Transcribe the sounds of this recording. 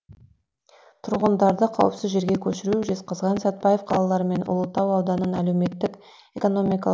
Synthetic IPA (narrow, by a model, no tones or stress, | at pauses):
t̪ʰʊɾʁənd̪ɑɾd̪əqʰɑ̰wəpsɪzʒe̞ɾɡʲekʲʰɵʃɪɾuʒe̞sqəzʁɑnsæt̪̚pɑjefqʰɑlˠɑlˠɑɾəme̞nʊ̰lˠət̪ːɑwɑwd̪ɑnənælewme̞t̪ːɪk | e̞ko̞no̞mijkɑ